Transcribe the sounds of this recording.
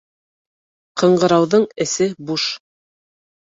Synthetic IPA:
qɤ̆ɴɢɤ̆ɾɑwðɤɴɘ̆sɘbuʃ

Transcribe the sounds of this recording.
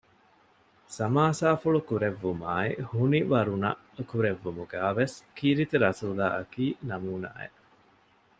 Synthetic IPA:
sɐmaːsaːfuɭukuɾeʋːumaːehuniʋɐɾunɐ̰ʔkuɾeʋːumuɡæːʋeskiːɾit̪iɾɐsuːla̰ːɐkiːnɐmuːna̰ːḛ

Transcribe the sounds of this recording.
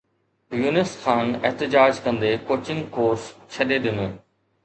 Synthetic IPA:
juːnɪsxaːnɛɦt̪ɪd͡ʑaːd͡ʑkɐ̃nd̪ekoːt͡ɕɪ̃ŋɡkoːɾst͡ɕʰɐɗeɗɪnoː

